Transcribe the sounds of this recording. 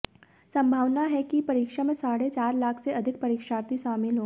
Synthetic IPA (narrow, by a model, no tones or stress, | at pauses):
sɐ̃mbʱaːʋnaɦɛkipɐɾiːkʃamẽsaːɽet͡ʃaːɾlaːkʰseɐd̪ʱɪk̚pɐɾiːkʃaːɾt̪iʃaːmɪlɦoː